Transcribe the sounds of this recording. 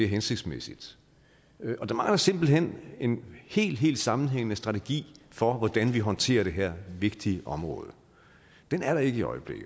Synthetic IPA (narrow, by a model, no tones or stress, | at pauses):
e̝ɐɦense̝ɡ̥d̥smesid̥ | ɒ̽d̥ɑ̈mɑ̈ŋlɐse̝m̰b̥l̩ɦen̰e̝nhe̝̰ːld̥ɦe̝̰ːld̥sɑ̈mn̩ɦeŋ̰ənəsd̥ʁɑ̈t͡sʰeɡ̥ḭːfɒ̽ʋɒd̥ænʋiɦɒ̽nt͡sʰe̝̰ːɐɾ̥e̝ɦæɐ̰ʋe̝ɡ̥̚d̥iəʔɒ̽mʁɔ̽ːð̞ˠ | d̥enæɐɾɑ̈e̝ɡ̥əiɒ̽ɪəb̥le̝ɡ̥̩